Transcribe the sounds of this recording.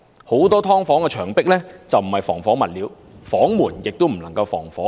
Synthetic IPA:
ho˨˥wt̪ɔː˥t̪ʰɔː˥ŋfɔː˨˥ŋkɛː˧t͡ʃʰœː˨˩ŋpɪ˥k̚lɛː˥t͡sɐ˨wm̩˨˩hɐ˨jfɔ̰ː˨˩ŋfɔː˨˥ŋmɐ˨t̚liː˨˥w | fɔː˨˥ŋmuː˨˩njɪ˨k̚t̪o˥m̩˨˩nlɐ˨˩ŋkɐ˧wfɔ̰ː˨˩ŋfɔː˨˥

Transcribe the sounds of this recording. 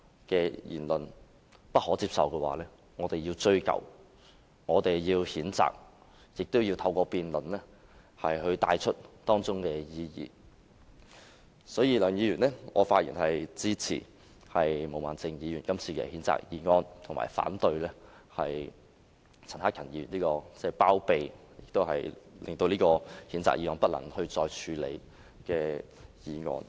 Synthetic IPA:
kɛ˧jḭː˨˩nlɵ˨n | pɐ˥t̚hɔː˨˥t͡siː˧˥p̚sɐ˨wkɛː˧waː˨˦lɛː˥ | ŋɔː˨˧t̪e˨jiː˧wt͡ʃɵ˧ɥkɐ̰˨˩w | ŋɔː˨˧t̪e˨jjiː˧whiː˨˥nt͡sa̰ː˨k̚ | jɪ˨k̚t̪ʊ˥wji˧wt̪ʰɐ˧wkɔː˧piː˨nlɵ˨˩nlɛː˥ | hɐ˨jɦɵ˧t̪aː˧jt͡ʃʰɵ˥t̚t̪ɔː˥ŋt͡sʊ˥ŋkɛː˧jiː˧jḭː˨ | sɔː˨˥jiː˧lœː˨˩ŋjiː˨˧jyː˨˩nlɛ˥ŋɔː˨˧˥faː˧t̚jiː˨˩nhɐ˨jt͡siː˥t͡sʰḭ˨˩ | hɐ˨jmo˨˩waː˨˩nt͡sɪ˧ŋjiː˨˧jyː˨˩nkɐ˥mt͡sʰiː˧kɛ̰˧hiː˨˥nt͡sa̰ː˨k̚jiː˧ŋɔː˧nt̪ʰʊ˨˩ŋma̰ː˨˩jfa̰ː˨˥nt̪ɵ˧ɥlɛː˥ | hɐ˨j | t͡sʰɐ˨˩nhaː˥kʰɐ˨˩njiː˧ɥy˨˩nliː˥kɔː˧t͡sɛː˥˧˩paː˥wpe˨jjɪ˨k̚t̪o˥whɐ̰˨jlɪ̰˨ŋt̪o˧wliː˥kɔː˧hiː˨˥nt͡sa̰ː˨k̚jiː˨˧ŋɔː˧npɐ˥t̚lɐ̰˨˩ŋhɵ˧ɥt͡sɔː˧jt͡ʃʰyː˨˧lḛ˨˧j | kɛː˧ | jiː˨˧ŋɔ̰ː˧n

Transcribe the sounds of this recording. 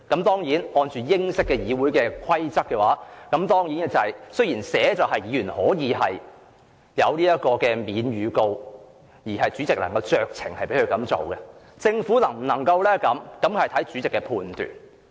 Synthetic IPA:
kɐ˨˥mt̪ɔː˥ŋjiː˨˥nhɔː˧nt͡ʃyː˨jɪ˥ŋsɪ˥kːɛː˧jiː˨˧wuː˨˥jkɛː˧kʷʰwɐ˥jt͡sɐ˥kːɛː˧wa̰ː˨˥kɐ˨˥mt̪ɔː˥ŋjiː˨˥nɛ˥t͡sɐ˨jsɵ˥ɥjiː˨˩nsɛː˨˥t͡sɐ˨wɦɐ˨jiː˨˧˥yː˨˩nhɔː˨˥jiː˨˧ɦɐ˨j | jɐ˨˧wliː˥jɐ˥t̚kɔː˧kɛː˧miː˨˧nɥyː˨˧ko˧w | jiː˨˩ɦɐ˨jt͡syː˨˥t͡sɪ˨k̚lɐ̰˨˩ŋkɐ˧wt͡ʃœː˨k̚t͡sʰɪ˨˩ŋhɐ˨jpe˨˥kʰɵ˧kɐ˨˥mt͡so̰˨wɡɛ˧ | t͡sɪ˧ŋfuː˨˥nɐ˨˩ŋm̩˨˩nɐ˨˩ŋkɐ˧wlɛː˥kɐ˨˥mkɐ˨˥mkɐ˨jt̪ʰɐ˨˥jt͡sy˨˥t͡sɪ˨kːɛː˧pʰuː˨˧nt̪y̰ː˨˩n

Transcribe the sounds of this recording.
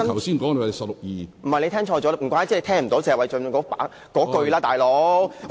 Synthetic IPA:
ɐ˥nʰ˨˩wsiː˥nkɔː˨˥ŋne˧˨˩sɐ˨p̚lʊ˨k̚jiː˨m̩˨˩hɐ˨jle˧t̪ʰɛː˥ŋt͡ʃʰɔː˧t͡ʃɔː˨˥m̩˨˩kʷaː˧˥jt͡si˥le˧˥t̪ʰɛː˥ŋm̩˨˩t̪o˨˥wt͡si˨˧˩wɐ˨˩jt͡ʃœ˧n˨˧˩kɔː˨˧˥paː˨˥ | kɔː˨˥kɵ˧ɥlaː˥t̪aː˨jlo˨˥

